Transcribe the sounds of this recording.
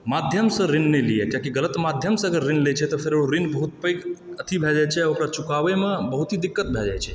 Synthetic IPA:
mad̪ʱjəmsə̃ɾɪnːeliekjãkiɡələt̪mad̪ʱjəmsəɡəɾːɪnlet͡ʃʰet̪ɔpʰɪɾeɽoɾɪnbəɦut̪̚pəjkət̪ʰibʱɛd͡ʒat͡ʃʰeokɾat͡ʃʊkaʋemãbəɦut̪ɦid̪ɪkːət̪̚bʱɛd͡ʒa̰t͡ʃʰe

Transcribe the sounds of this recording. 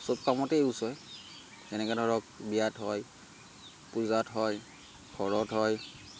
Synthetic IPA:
sob̚kamɔtɛusɔj | ɛnɛkɛdʱɔɹɔk̚bijatɦɔj | puzatɦɔj | kʰɔɹɔtɦɔj

